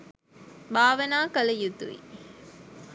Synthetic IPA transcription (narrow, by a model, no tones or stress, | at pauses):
baːʋɐnaːkɐlɐjut̪ṵʋḭ